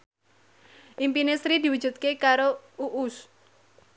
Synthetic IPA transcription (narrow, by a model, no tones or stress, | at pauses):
ʔimpinesɾid̪i̤wud̥ʒ̥ṳt̪̚kekaɾouʔus